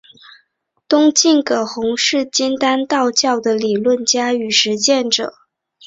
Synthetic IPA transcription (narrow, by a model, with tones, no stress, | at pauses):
t̪ʊ˥ŋt͡ɕi˥˩ŋkɤ˨˩xʊ˧˥ŋʂɻ̩˥˩t͡ɕi˥nt̪a˥nt̪ɑ˥˧ʊt͡ɕjɑ˥˩ʊd̪ə˩li˨˩lwə˥˩nt͡ɕja˥y˨˩ʂɻ̩˧˥t͡ɕjɛ˥˩nʈ͡ʂɤ̰˨˩˦